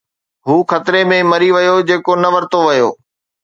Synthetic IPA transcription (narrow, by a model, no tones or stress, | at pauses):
ɦuːxɐt̪ɪɾemẽmɐɾiʋɐjod͡ʑeːkonɐʋɐɾt̪oʋɐjo̰ː